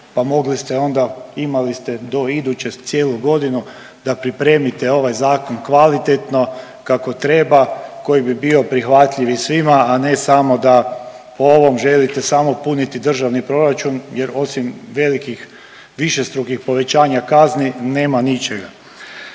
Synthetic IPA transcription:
pamo̞ɡlist̪eo̞nd̪aimalist̪e̞d̪o̞id̪ut͡ɕet̪sjeːluɡo̞d̪inu | d̪apɾipɾeːmit̪eo̞ʋajzaːkonkʋalit̪et̪no̞ | kako̞t̪ɾe̞ːbako̞jibibio̞pɾixʋat̪ʎiʋisʋimaːne̞samo̞d̪a | poo̞ʋo̞mʒe̞lit̪esamo̞punit̪id̪r̩ʒaʋnipɾo̞ɾat͡ʃunje̞ɾo̞simʋe̞likix | ʋiʃe̞st̪ɾukixpo̞ʋe̞t͡ɕaːɲakaznine̞ːmanit͡ʃeɡa

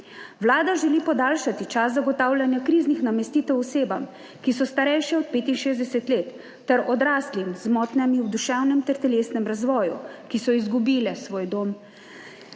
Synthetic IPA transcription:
ʋlaːd̪aʒɛliːpɔd̪aːlʃat̪it͡ʃaszaɡɔt̪aːwlʲjanjakɾiːznixnamɛst̪iːt̪ɛwɔseːbam | kisɔst̪aɾɛjʃjɛɔt̪̚peːt̪inʃeːzd̪ɛsɛt̪leːt̪ː | ɛɾɔd̪ɾaːslimzmɔːt̪nɛmiwd̪uʃɛwnɛmt̪ɛɾt̪ɛleːsnɛmɾazʋɔːjṵkisɔizɡubiːlɛsʋoːjd̪oːm

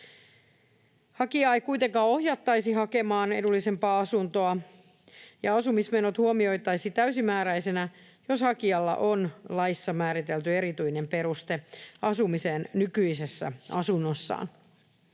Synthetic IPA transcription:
hɑkiɑjkujt̪eŋkɑːo̞hjɑt̪ːɑjsiɦɑke̞mɑːne̞̰dulːise̞mpɑːɑsunt̪oɑ | jɑɑsumismenot̪huomio̞jt̪ɑjsit̪æysimæːɾæjsenæ | joshɑkiɑlːɑ̰ʔonlɑisːɑmæːɾit̪elt̪ye̞ɾit̪yine̞mpeɾust̪eɑsumise̞ːnnykyise̞sːæ̰ɑsunːosːɑ̰ːn

